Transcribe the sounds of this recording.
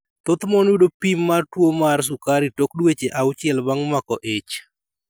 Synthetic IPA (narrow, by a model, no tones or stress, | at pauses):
t̪ot̪mɔnwudopimːartwomars̬ukaɾitokdwet͡ʃeʔaʊt͡ʃɪɛlbaŋmakɔʔet͡ʃ